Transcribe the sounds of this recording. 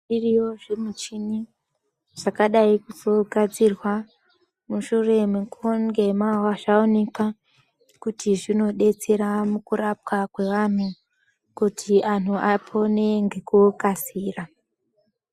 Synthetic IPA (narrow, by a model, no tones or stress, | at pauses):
iriwo̞ʐemut͡ʃini | ʐ̥akaɗaikutoɡʱad͡zirwa | muʃure̞mukʰoŋɡe̞mawaʐaone̞ka | kutiʐino̞ɗe̞t͡se̞ɾamukurap̚kakwe̞ʋan̤u | kutʰian̤uʔapʰo̞ne̞ŋɡekukasiːra